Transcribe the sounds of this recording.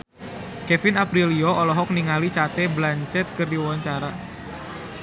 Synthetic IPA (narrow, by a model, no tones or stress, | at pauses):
kɛfɪnapɾiliɔʔɔlɔɦɔk̚niŋalit͡ʃat̪ɛblaɲt͡ʃɛt̪̚kərdiwaɲt͡ʃaɾa